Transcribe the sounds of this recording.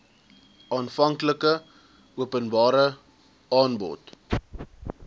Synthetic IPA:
ʔɑːnfɐŋkləkə | uəpənbɑːɾə | ɑːnbɔ̰t

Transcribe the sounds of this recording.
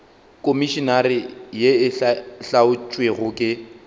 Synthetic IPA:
kʼomiʃɔnarɪjeɪɬaʊt͡ʃʼweɣʊkʼɪ

